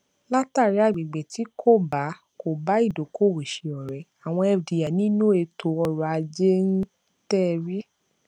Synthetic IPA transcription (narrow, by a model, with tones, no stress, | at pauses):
la˦ta˦˨ɾi˦a˦˨bi˨ɡ͡be˨ti˨˦kʰo˦˨ba˨˦ | ko˨ba˨˦i˦˨do˨˦ko˦˨we˨ʃi˨ɔ˨ɾɛ˨˦a˨w̃ɔ̃˧ɛ˧˨di˨ja˨nĩ˦nũ˦e˧tʰo˧ɔ˧ɾɔ˧a˧d͡ʒe˦n̩˦ | tɛ˦˨ɾi˦